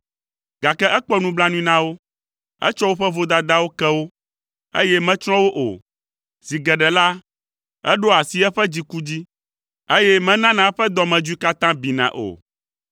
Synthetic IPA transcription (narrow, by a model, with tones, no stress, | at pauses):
ɡa˨kɛ˦ʔɛ˦k͡pɔ˦nũ˦bla˦nũ˦ĩ˦nã˦wo˦ | ɛ̰˦t͡ʃɔ˦wo˦ɸɛ˦vo˦d̪a˨d̪a˦wo˦kɛ˦wo˦ | ḛ˦jɛ˦mɛ̃˦t͡ʃɾɔ̃˦wo˦ʔo̰˨ | z̥i˨ɡɛ˨ɖɛ˨la˦ | ɛ˦ɖo˦a˨si˦ɛ˦ɸɛ˦d͡ʑi˦ku˦d͡ʑi˦ | e˦jɛ˦mɛ̃˦nã˦nã˨ɛ˦ɸɛ˦d̪ɔ˦mɛ̃˨d͡ʒu˦i˦ka˦t̪ã˦bi˨nã̰˨ʔo̰˨